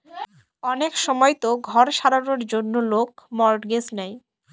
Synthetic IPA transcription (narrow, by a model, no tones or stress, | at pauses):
ɔnekʃɔmɔjt̪oɡʱɔɾʃaɾanoɾd͡ʑonːolokmɔɾɖɡesnɛj